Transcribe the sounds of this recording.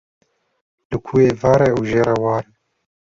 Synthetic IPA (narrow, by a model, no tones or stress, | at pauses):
lɨkʰuːeːvɑːɾɛuʒeːɾɛwɑːɾɛ